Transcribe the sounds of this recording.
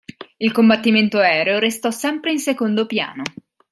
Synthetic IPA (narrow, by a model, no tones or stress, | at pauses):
ilkombat̪ːiment̪oɛːɾeoɾest̪ɔsɛmpɾeinsekond̪opja̰ːno